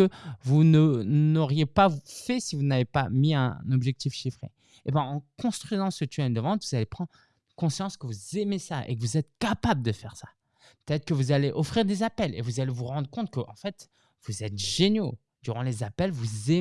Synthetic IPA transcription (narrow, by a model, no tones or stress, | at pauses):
əvunənnnɔʁjepafɛsivunavepamiɛ̰̃nɔbʒɛk̚t̪ifʃifχḛ | ebɛ̃ɑ̃kɔ̃st̪χɥizɑ̃sət̪yɛnd̪əvɑ̃t̪vuzalepχɑ̃d̪ʁ | kɔ̃sjɑ̃skəvuzemesaʔḛkəvuzɛt̪̚kapabləd̪əfɛʁsa | pə̥t̪ɛt̪χəkəvuzaleʔɔfχiʁd̪ezapɛlḛvuzalevuʁɑ̃d̪ʁəkɔ̃t̪̚kəʔɑ̃fɛt̪ | vuzɛt̪ʒenjo | d̪̥yʁɑ̃lezapɛlvuze